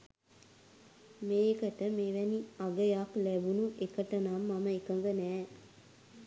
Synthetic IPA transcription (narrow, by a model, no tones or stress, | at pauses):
meːkəʈəmeʋɛniaɡəjaklæbunuʔekəʈənamːaməekəŋɡənæː